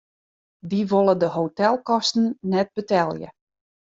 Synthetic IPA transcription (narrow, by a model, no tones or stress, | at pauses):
diʋolˠədəɦowtɛlˠkɔstn̩nɛt̚bətɛlˠjə̰